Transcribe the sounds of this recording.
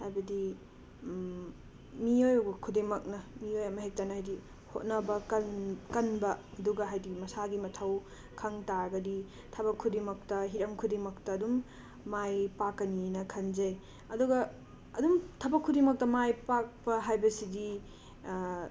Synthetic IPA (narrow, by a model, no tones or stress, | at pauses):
hajbɐdi | miojɐwɡɐkʰudemɐk̚nɐmiojɐmɐɦek̚tanɐhajdi | ho̰t̚nɐbɐkɐnkɐnbɐɐduɡɐɦajdimɐsaɡimɐtʰɐw | kʰɐŋtaɾɐɡɐdi | tʰɐbɐkʰːudemɐk̚tɐɦiɾɐmkʰudemɐktɐːdumː | ajpakːɐninɐkʰɐnzɐj | ɐduɡɐː | dumtʰɐbɐkʰːudimɐk̚tɐmajpak̚pɐɦajbɐsidi